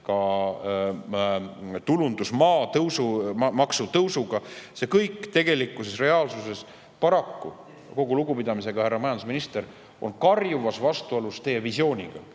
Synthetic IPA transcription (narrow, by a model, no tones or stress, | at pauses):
kɑ | t̪ulund̪̥usmɑːt̪ɤwsumɑksut̪ɤwsuɡ̥ɑse̞kɤjkˑːt̪e̞ɡ̥e̞likːˑusesre̞ɑːlsuse̞s | pɑɾɑkːṵ | ko̞ɡ̥uluɡupid̪ɑmise̞ɡ̥ɑhærːɑmɑjɑnd̪usminist̪e̞ɾ | o̞̰nkɑrjuvɑsvɑst̪uolust̪e̞je̞visjo̞ːnʲiɡ̥ɑ